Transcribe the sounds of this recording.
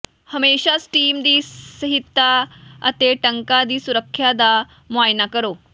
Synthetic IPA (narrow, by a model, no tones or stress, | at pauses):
həmeɕasʈiːmd̪iːsəɦit̪ːaə̰t̪eʈəŋkad̪iːsuɾəkʰːjad̪a | majnakəɾo